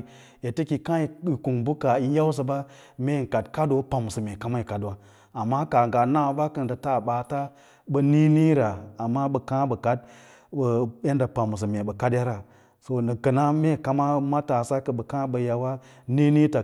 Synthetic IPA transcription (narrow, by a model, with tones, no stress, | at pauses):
e˨tə˦ki˨kã˦i˨i˨ku˨ŋbu˦ka˨i˦ja˦ws̬ə˨ba˦ | me˦˨ŋ̩˨ka˨dka˦do˦pa˨m˨sə˨me˨ka˦ma˦i˨ka˨dwa˦ | a˨mːa˦ka˨ŋɡa˨na˦˨˦ba˦kə˨n˨da˨ta˦˨ɓa˨ta˦ | ɓə˦ni˦ni˦ɾa˨a˨mːa˦ɓə˨kã˦bə˨ka˨d̚ | bə˨e˦nda˨pa˨mu˨s̬ə˨me˨bə˨ka˦dja˦ɾa˨ | so˨nə˨kə˨na˦me˦˨ka˨ma˦ma˦ta˨sa˦kə˨ɓə˨kã˦ɓə˨ja˨wa˦ | ni˦ni˦ta˨